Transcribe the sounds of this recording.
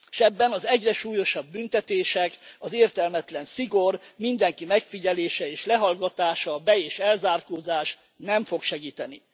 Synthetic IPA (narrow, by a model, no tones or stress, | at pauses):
ʃɛbːɛnɒzɛɟrɛʃuːjo̞ʃɒbːynt̪ɛt̪eːʃɛkɒzeːrt̪ɛlmɛt̪lɛnsiɡo̞rmind̪ɛŋkimɛkfiɟɛleːʃɛeːʃlɛɦɒlɡɒt̪aːʃɒbɛeːʃɛlzaːrkoːzaːʃ | nɛɱfo̞kʃɛɡiːt̪ɛnḭ